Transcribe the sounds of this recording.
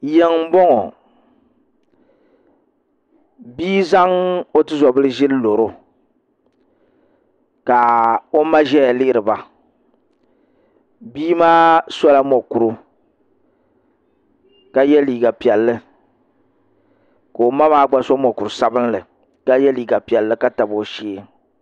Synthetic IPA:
jɛ˦ŋ̩˦bɔ˦ŋɔ˨ | biː˦za˦ŋo˦tɨ˦zɔ˨bɨ˦lɨ˦ʒɪ˦llo˨ɾo˦ | ka˨o˦ma˦ʒɛ˦ja˨lɪ˦ʔɪ˦ɾɨ˨ba˨ | biː˦maː˦sɔ˦la˦mɔ˨ku˨ɾu˦ | ka˦jɛ˦liː˨ɡa˨pi˨ɛ˨lːɨ˦ | ka˨o˨ma˦maː˦ɡ͡ba˦sɔ˦mɔ˨ku˨ɾʊ˨sa˦bɨ˦n˦lɨ˨ | ka˦jɛ˦liː˨ɡa˨pi˨ɛ˨lːɨ˦ka˦ta˨bo˨˦ʃiː˦

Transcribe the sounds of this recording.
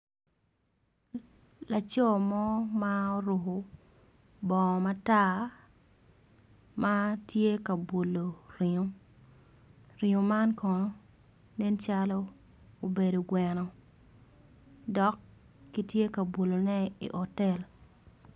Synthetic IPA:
la˨t͡ʃɔ˦mɔ˦ma˦o˦ɾo˨ɦo˨ | bɔ˨ma˦ta˦ | ma˦tʰje˦ka˨bo˨lo˨ɾɪ˨o˦ | ɾɪ˨o˨ma˦nkʰɔ˨nɔ˦ | ne˦nt͡ʃa˦lɔ˦ | o˨be˨do˨ɡwɛ˨nɔ˨ | dɔ˦kː | i˦tje˦ka˨bo˨lo˨nɛ˦ḭ˨ʔɔ˨tɛ˦˨l

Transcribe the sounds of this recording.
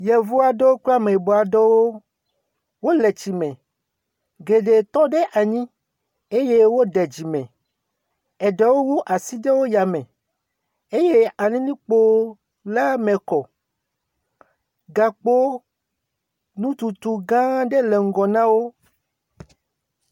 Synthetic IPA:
jɛ˨vu˦a˨ɖɔ˦wo˦k͡pla˦me˨bɔ˨a˨ɖɔ˦wo˦ | wo˦le˨t͡ɕi˨mɛ̃˨ | ɡe˨ɖe˨t̪ɔ˦ɖe˦ʔa˨ɲĩ˦ | e˦je˦wo˦ɖɛ˨d͡ʑi˨mɛ̰̃˨ | ɛ˨ɖɛ˨wo˦wu˦ʔa˨si˦de˦wo˦ja˨mɛ̃˨ | e˦je˦a˨nĩ˦nĩ˦k͡po˦ | la˦mɛ̃˨kɔ˨ | ɡa˨k͡po˦ | nũ˦t̪u˨t̪u˨ɡã˦ɖe˦le˨ŋ̩˦ɡɔ˨nã˦wo˦

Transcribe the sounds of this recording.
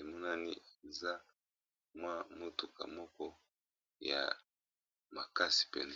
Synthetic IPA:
e˨mɔ˦na˦ni˦e˨za˦ | mwa˦mo˦tu˨ka̰˨mɔ˦kɔ˦ | ja̰˨ | ma˨ka˦si̥˨pɛ̰˨n

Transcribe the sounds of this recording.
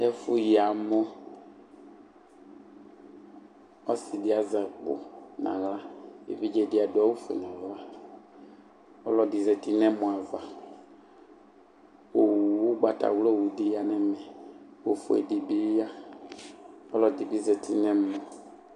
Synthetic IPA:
ɛ˦fu˦ji˨a˨mɔ˦ | ɔ˦si˨dɪ˦a˨za˨k͡pʊ̰˨nã̰˨ɣla˦ḛ˨vi˦d͡ʒɛ˨dɪ˨˦a˨dʊ˨˦ɔ˦wu˦fḛ˨n˨ã˨va˦ | ɔ˦lɔ˨di˨zɛ˨ti˦nɛ̃˦mɔ̃˨a˨va˦ | o˨wu˦ɡ͡ba˨ta̰˨wlɔ˦˨wu˨di˨ja˨nɛ˦mɛ˨wo˨fʊ̰˨ḛ˨di˨bi˦a˦ | ɔ˦lɔ˨di˨bi˦zɛ˨ti˦nɛ̃˦mɔ̃˨

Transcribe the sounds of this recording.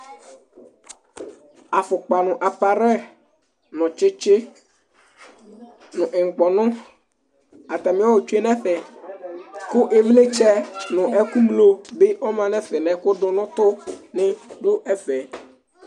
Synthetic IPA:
a˨fʊ˨k͡pa˨nʊ̃˨ʔa˨pa˨ɾɛ˦ | nɔ̃˨t͡ʃɪ˦t͡ʃe˦ | nʊ̃˨ʔe˨ŋ̩˨k͡pɔ˨nʊ̃˦ | a˨t̪a˨mĩ˦wa˦wo˨t͡ʃu˦e˦nɛ̃˦ɸɛ˨ | ko˦ʔe˨vle˦t͡ʃɛ˦nʊ̃˨ʔɛ˦ku˦mlo˦be˦ɔ˦mã˨nɛ̃˦fɛ˨nɛ̃˨ko˦ɖɔ̃˦nɔ̃˦t̪ʊ˦nɪ̃˦ɖo˦ʔɛ˦fɛ˨

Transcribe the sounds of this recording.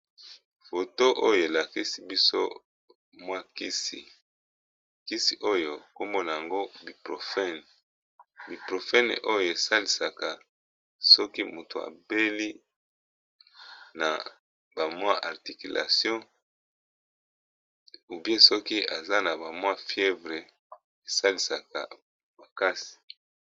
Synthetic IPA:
fo˨to˦ʔo˦jo˨e˨la˨ki˦si˦bi˦so̰˦ | mwa˦ki˦si˨ | ki˦si˨ʔo˦jo˨ko˦mbo˦na˨a˨ŋɡo˦bi˨pʁo˨fɛ˦n | bi˨pʁo˨fɛ˦n̰˨ʔo˦jo˨e˨sa˦li˨sa˨ka˨ | sɔ˦ki˦mu˨to˨a̰˨be˦li˦ | na˨ | ba˨mwa˦ʔa˨ʁti˨ki˨lʔa̰˨sjɔ̃˦ | u˨bje˦sɔ˦ki˦a˨za˦na˨ba˨mw̃a˦fjɛ˦vʁe˨ | e˨sa˦li˨sa˨ka̰˨ | ma˨ka˦si̥˨

